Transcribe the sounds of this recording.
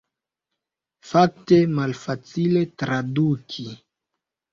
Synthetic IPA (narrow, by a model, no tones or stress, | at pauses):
fak̚temalfat͡sile̞tɾadukʰi